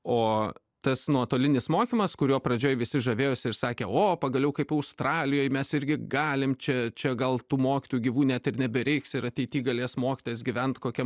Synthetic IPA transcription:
oː | t̪ɐsnuɔt̪oːlʲɪnʲɪsmoːkʲimɐskʊɾʲuːpɾɐd͡ʒʲoːjʋʲɪsʲɪʒɐʋʲeːjoːsʲɪɪɾsɑːkʲeːoːpɐɡɐlʲɛʊkɐɪpɐʊst̪rɑːlʲɪjoːjmʲɛsɪɾʲɡʲɪɡɑːlʲɪmt͡ʃʲɛt͡ʃʲɛɡɐlˠt̪uːmoːkʲɪ̥t̪ujuɡʲiʋuːnʲɛt̪ɪɾnʲɛbʲɛɾʲɛɪksɪɾɐt̪ʲɛɪt̪ʲiːɡɐlʲeːsmoːkʲɪ̥t̪oːjɛs̬ɡʲɪʋʲɛnt̪koːkʲɛm

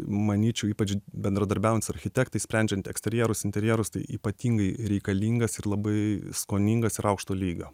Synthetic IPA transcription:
mɐnʲiːt͡ʃʲɛʊiːpɐd͡ʒʲbʲɛnd̪ɾɐd̪ɐɾʲbʲɛʊɛnt̪ʲɪsɐɾʲxʲɪt̪ʲɛːkt̪ɐɪsʲpʲɾʲɛnʲd͡ʒʲɛnt̪ɛksʲt̪ʲɛɾʲjɛːɾʊsɪnʲt̪ʲɛɾʲjɛːɾʊst̪ɐɪiːpɐt̪ʲiːŋɡɐɪɾʲɛɪkɐlʲiːŋɡɐsɪɾlˠɐbɐɪskoːnʲiŋɡɐsɪɾɐʊkʃt̪oːlʲiːɡɐ

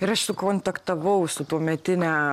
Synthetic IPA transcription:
ɪɾɐʃsʊkoːnt̪ɐkt̪ɐʋɐʊsʊt̪uɔmʲɛt̪ʲɪnʲæ

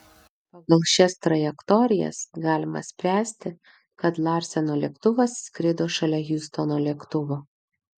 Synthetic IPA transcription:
pɑɡɐlˠʃʲɛst̪ɾɐjɛkt̪ɔɾʲɪjɛ̰sɡɑːlʲɪmɐ̰sʲpʲɾʲæːsʲt̪ʲɪ | kɐt̪lˠɑɾʲsʲɛnoːlʲiɛkt̪ʊʋɐsːkɾʲɪd̪oːʃɐlʲɛɣʲust̪onoːlʲɛkt̪ʊʋoː

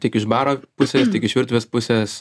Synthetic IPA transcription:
tʲiɛkɪʃbɑːɾoːpʊsʲɛːstʲiɛkɪʃʋʲɪɾt̪ʲʋʲeːspʊsʲɛs

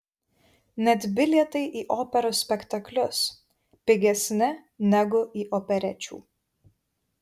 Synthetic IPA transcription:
nʲɛt̪ʲbʲɪlʲiɛt̪ɐɪʔiːʔoːpʲɛɾoːsʲpʲɛkt̪ɐklʲʊs | pʲɪɡʲɛsʲnʲɪnʲɛɡʊʔiːʔɔpʲɛɾʲɛt͡ʃʲṵː

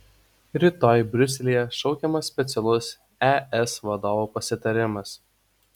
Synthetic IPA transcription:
ɾʲiːt̪oːjbʲɾʲʊsʲɛlʲijɛʃɒʊkʲɛmɐsːʲpʲɛt̪sʲɛlˠʊs | ɛɛsʋɐd̪oːʋuːpɐsʲɪt̪ɐɾʲɪmɐs

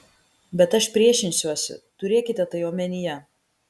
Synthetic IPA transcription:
bʲɛt̪ɐʃpʲɾʲiɛʃʲɪnʲsʲuɔsʲʊ̰t̪ʊɾʲeɛkʲɪt̪ʲɛt̪ɐɪoːmʲɛnʲɪjɛ

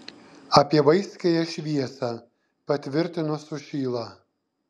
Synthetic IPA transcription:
ɐpʲiɛʋɐɪsʲkʲejɛʃʲʋʲiɛsɑː | pɐt̪ʲʋʲɪɾʲt̪ʲɪnʊsʊʃʲiːlˠɑː

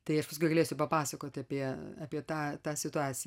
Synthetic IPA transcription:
t̪ɐɪɐʃpɐs̬kʊɪɡɐlʲeːsʲʊpɐpɑːsɐkoːt̪ʲɪɐpʲiɛɑːpʲiɛt̪ɑːt̪ɑːsʲɪt̪ʊɑːt͡ssʲɪj

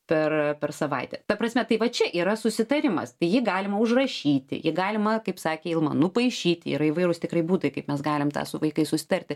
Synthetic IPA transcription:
pʲɛrpʲɛrsɐʋɐɪt̪ʲɛt̪ɐpɾɐsʲmʲɛt̪ɐɪʋɐt͡ʃʲɛʔiːɾɐsʊsʲɪt̪ɐɾʲɪmɐ̰st̪ɐɪjɪɡɑːlʲɪmɐʊʒrɐʃʲiːt̪ʲɪ̰jɪɡɑːlʲɪmɐkɐɪpsɑːkʲeːɪlˠmɐnʊpɐɪʃʲiːt̪ʲɪḭɾɐɪʋɐɪɾʊst̪ʲɪkrɐɪbuːt̪ɐɪkɐɪpmʲɛsɡɑːlʲɪmt̪ɑ̰ːsʊʋɐɪkɐɪsʊsʲɪ̥t̪ɐɾʲt̪ʲɪ

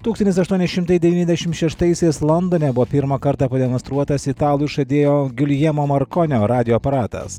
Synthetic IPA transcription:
t̪uːksɐnt̪ʲɪsɐʃt̪uɔnʲɛsʃʲɪmt̪ɐɪd̪ʲɛʋʲiːnʲɛzʲd̪ʲɛʃʲɪmt̪ʃʲɛʃt̪ɐɪsʲɛɪslˠɔnd̪oːnʲɛbʊʋoːpʲɪɾmɑkɐɾt̪ɑːpɐd̪ʲɛmɔnst̪ɾuɔt̪ɐsɪt̪ɑːlˠʊʃɐd̪ʲeːjoːɡʲʊlʲjɛmoːmɐɾkɔnʲoːɾɑːd̪ʲɪjoːpɐɾɑːt̪ɐ̰s

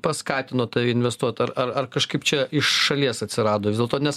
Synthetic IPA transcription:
pɐskɑːt̪ʲɪnoːt̪ɐɪɪnʲʋʲɛst̪uɔt̪ɐrɐrɐrkɐʃkɐɪpt͡ʃʲɛɪʃʃɐlʲiɛsɐt̪ʲsʲɪɾɑːd̪oːʋʲɪzʲdʲɛlˠt̪oːnʲɛs

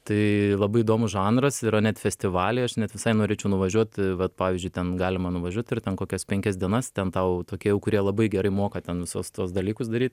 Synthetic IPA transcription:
t̪ɐɪlˠɐbɐɪiːd̪oːmʊsʒɑːnrɐsɪɾɐnʲɛt̪fʲɛsʲt̪ʲɪʋɑːlʲɛɪɐʃnʲɛt̪ʋʲɪsɐɪnoːɾʲeːt͡ʃʲɛʊnʊʋɐʒʲuɔt̪ʋɐt̪pɑːʋʲiːzʲd͡ʒʲʊɪt̪ʲɛnɡɑːlʲɪmɐnʊʋɐʒʲuɔt̪ɪrt̪ʲɛnkoːkʲɛspʲɛŋʲkʲɛsd̪ʲiɛnɐst̪ʲɛnt̪ɐʊt̪oːkʲiɛjɛʊkʊɾʲiɛlˠɐbɐɪɡʲɛɾɐɪmoːkɐt̪ʲɛnʋʲɪsoːst̪uɔsd̪ɐlʲiːkʊsd̪ɐɾʲiːt̪

